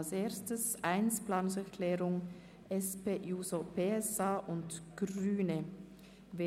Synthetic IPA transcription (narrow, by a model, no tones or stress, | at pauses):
lseːɐstəsʔaɪnsplaːnʊŋsɛɐkʰl̥ɛːʁʊŋ | ʔɛspeːʔjuːzopʰeːɛsaːʔʊntɡ̥ʁyːnə | veː